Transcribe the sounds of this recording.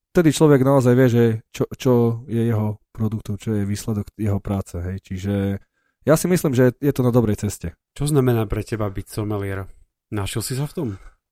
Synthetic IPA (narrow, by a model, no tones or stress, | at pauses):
ft̪ɛd̪it͡ʃlɔʋɛɡnaɔzajʋɪɛʒɛt͡ʃɔt͡ʃɔjɛjɛɦɔpɾɔd̪ukt̪ɔʊt͡ʃɔjɛʋiːslɛd̪ɔɡjɛɦɔpɾaːt͡sɛɦɛjt͡ʃiʒɛ | jasimisliːmʒɛjɛt̪ɔnad̪ɔbɾɛjt͡sɛscɛ | t͡ʃɔznamɛnaːpɾɛcɛbabitsɔmɛlɪɛɾ | naʃilsis̬aft̪ɔm